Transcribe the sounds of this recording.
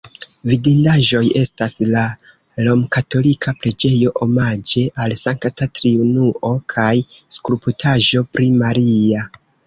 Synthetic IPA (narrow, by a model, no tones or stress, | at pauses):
vidindaʒo̞je̞stasla | lo̞mkato̞likʰapɾe̞d͡ʒe̞jo̞ʔomad͡ʒe̞ʔalsaŋktatɾiunuʔo̞kʰajskuɾuputʰaʒo̞pɾimaɾia